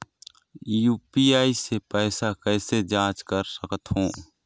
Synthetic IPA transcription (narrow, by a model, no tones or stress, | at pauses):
juːpiaːisepɛɪsakɛɪsed͡ʒãːt͡ʃkəɾsəkət̪ɦõː